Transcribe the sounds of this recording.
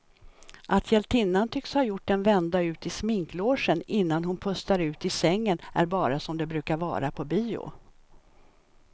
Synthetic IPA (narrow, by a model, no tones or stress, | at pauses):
ʔat̪ʰjɛlt̪ʰɪnːant̪ʰʏkshaɾjʊʈːd̪ɛnvɛnd̪aʉ̟ːt̪ɪsmɪŋkloːʂənɪnːanhʊnpʰɵst̪aɾʉ̟ːt̪ɪsɛŋːənæ̰ɾbɑːɾasɔmd̪ɛbɾʉ̟ːkaɾvɑ̰ːɾapʰɔbiːʊ̰